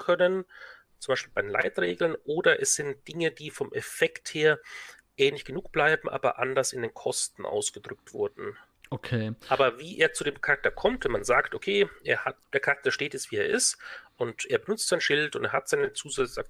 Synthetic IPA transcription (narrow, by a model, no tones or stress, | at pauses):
kʰœnən | t͡sʊ̥mbaɪʃpiːlbaɪdenla̰ɪtʁḛːɡl̩nʔoːdɐʔɛsz̥ɪnt̚d̥ɪŋəd̥iːfɔmʔɛfɛktheːɐ | ʔɛːnlɪçɡ̥ənuːkb̥laɪbm̩ʔa̰ːbɐ̰ʔa̰ndɐsɪndeːnkʰɔstn̩ʔa̰ʊsɡ̥ədʁʏk̚tv̥ʊ̰ɐdn̩ | okʰeːaːbɐviːʔeːɐt͡sudeːmkʰaʁak̚tɐkʰɔmtvɛnmanzaːktʔokʰeːʔḛːɐhatd̥eːɐkʰaʁak̚tɐʃteːtɛsv̥iːeːɐʔɪstʔʊntʔeːɐbənʊt͡stz̥aɪnʃɪltʊnteːɐɦatz̥aɪnət͡suːzaa̰k